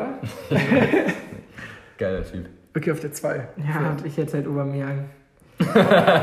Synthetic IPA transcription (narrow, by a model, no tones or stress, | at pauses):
ɡ̥aɪlɐ̰tʰy̰ːp | əkʰliçaʊfd̥eːɐt͡sv̥aɪjaːʊntɪçhɛthaltʔoːbɐmiaŋ